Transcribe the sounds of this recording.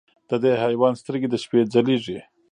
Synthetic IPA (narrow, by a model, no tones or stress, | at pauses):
d̪̥əd̪ehajwɑnst̪əɾɡed̪əʃped͡zaliʐi